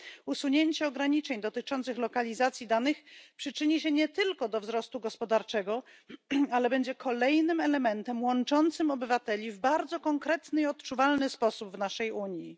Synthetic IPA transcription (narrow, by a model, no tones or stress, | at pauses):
usuɲeɲt͡ɕɛɔɡɾaɲit͡ʂɛɲd̪ɔt̪ɘt͡ʂɔnt̪sɘxlɔkalʲizat̪sʲjid̪anɘxpʂɘt͡ʂɘɲiɕɛɲɛt̪ɘlkɔd̪ɔvzɾɔst̪uɡɔspɔd̪aɾt͡ʂɛɡɔ | alɛbɛɲd͡ʑɛkʰɔlɛjnɘmɛlɛmɛnt̪ɛmwɔnt͡ʂɔnt̪sɘmɔbɘvat̪ɛlʲivbaɾd̪zɔkɔŋkɾɛt̪nɘiɔt̪t͡ʂuvalnɘspɔsubvnaʂɛjuɲji